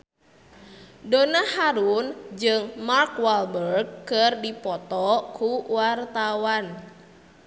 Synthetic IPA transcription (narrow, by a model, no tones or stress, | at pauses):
donahaɾund͡ʒɨŋmarkwalbərɡkːɨrdipɔt̪ɔkuwart̪awan